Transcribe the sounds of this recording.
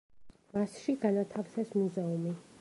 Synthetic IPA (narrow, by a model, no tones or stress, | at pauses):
masʃiɡanat̪ʰafsɛsmuzɛumi